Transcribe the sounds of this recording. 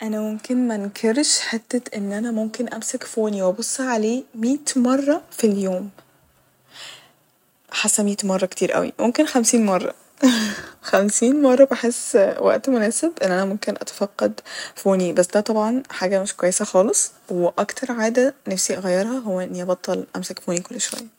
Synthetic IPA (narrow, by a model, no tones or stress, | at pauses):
ʔænæmomkenmænkʰeɾʃħet̪ːet̪ʔenːʔænæmomkenʔæmsekfoːniwʔæbosˤːɑʕaleːmiːt̪mɑrˤːɑfiljoːm | ħasːæmiːt̪mɑrˤːɑkt̪iːɾʔæ̰wḭmomkenxæmsiːnmɑrˤːɑ̰ | xæmsiːnmɑrˤːɑbeħesːwæ̰ʔt̪monæːsebʔenːʔænæmomkenʔɑ̰t̪æ̥fæqːɑd̪foːnibæsːd̪æːt̪ˤɑbʕɑnħaːɡæmeʃkwæjːesæxɑːlesˤ | weʔɑkt̪ʰɑɾˤʕaːd̪ænæfsiʔɑɣæjːɑɾˤhɑɦowːæʔenːiʔɑbɑt̪ˤːɑlʔæmsækfoːnikolːʃowæ̰jːæ